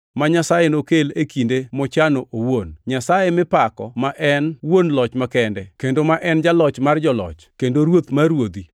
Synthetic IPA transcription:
maɲasajenokelekindemɔt͡ʃanoʔowonɲasajemɪpakɔmaʔɛnwonlɔt͡ʃmakɛndɛkendomaʔɛnd͡ʒalɔt͡ʃmard͡ʒɔlɔ̰t͡ʃkendoɾwot̪maɾwod̪i

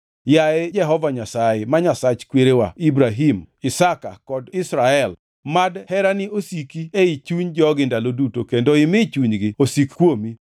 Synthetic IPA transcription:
jaɛd͡ʒɛɦɔvaɲasajemaɲasat͡ʃkweɾewaibɾaɦimɪsaka̰kɔdɪsɾaɛl | madhɛɾanɪosikieit͡ʃuɲd͡ʒɔɡɪndalodutokendoɪmɪt͡ʃuɲɡɪosikkwomi

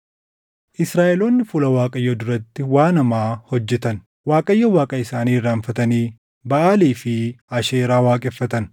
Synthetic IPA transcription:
ʔɪsɾaːʔɛloːnːɪfʊlɐwaːkʼɐjːɐd̪ʊɾɐt̪ːɪwaːnɐmaːhɔd͡ʒːɛt̪ɐn | waːkʼɐjːɐwaːkʼɐɪsaːniːrːaːnfɐt̪ɐniː | bɐʔaːliːfɪɐʃeːɾaːwaːkʼɛfːɐt̪ɐn

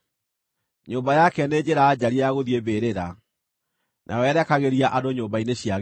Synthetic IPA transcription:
ɲoːbajakɛned͡ʑeɾaːd͡ʑaɾiaɣoðjebeɾeɾa | nʔa̰ɔɛɾɛkaɣeɾiaʔadoɲoːmbaineɕiaɣ

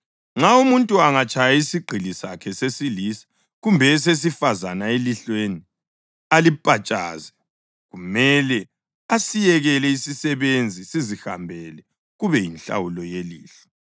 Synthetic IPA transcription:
ŋ͡ǁaumuntʼuaŋat͡ʃʼajaisiɡ͡ǃʱilisa̰kʰɛsesilisḁ | ɣumbʱɛs̬es̬ifazanaeliɬweni | alipʼat͡ʃʼa̰ːzɛ | ɣumɛlɛ | asijɛɣɛlɛisisɛβend͡zʱisiziha̰mbʱɛlɛ | ɣuβɛjinɬa̰wulɔjeliːɬɛ̥

